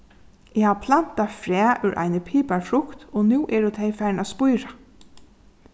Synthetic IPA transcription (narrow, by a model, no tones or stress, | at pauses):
ɛhaːʋpʰlan̥t̪afɾæːʔʉɾʔa̰ɪnəpʰiːpaɹfɾʊkt̪ɔnuːʔɛɹut̪ʰejfæɹnaːspʊjɾa